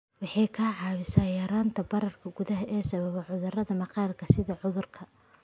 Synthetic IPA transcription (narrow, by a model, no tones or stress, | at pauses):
wɑħɑjkʰaːʕɑːβɪsaːjɐːɾaːnt̪ʰɐbɐɾɐrkʰɐɡʊðɐɦɐʔɛːsɐβɐβɐʕʊðʊrɐðɐmɑqɑːlkʰɐsɪðɐʕʊðʊrkʰɐ